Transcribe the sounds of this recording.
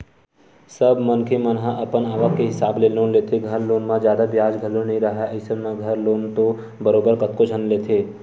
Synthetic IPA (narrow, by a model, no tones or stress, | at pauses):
səbmɐnkʰemɐnɦãʔɐpənaːʋəkkeɦɪsaːbleloːnleːt̪ʰeɡʱɐɾloːnmãd͡ʒjaːd̪abjaːd͡ʒɡʱɐlonɐɦĩɾɐɦaɐɪsenaɡʱɐɾloːnt̪o | bɐɾoːbəɾkɐt̪kod͡ʒʱənleːt̪ʰeː